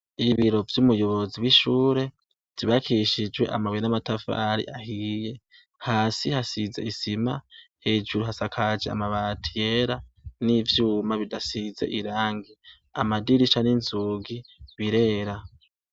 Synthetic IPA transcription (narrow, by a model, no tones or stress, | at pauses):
iβiɾo̞vjumujo̞βo̞ziwiʃuːɾe̞ | z̥iβakʰiʃid͡ʒwe̞̰ʔa̰mawijnamatafa̰ɾḭʔahije̞ | haːsihasize̞̰isimahe̞ːd͡ʒuɾuɦasakʰad͡ʒea̰maβatʰije̞ɾanivjuːmaβidasize̞̰ʔiɾaːŋɡi | amadiɾit͡ʃaninzuɡiβiɾe̞ːɾa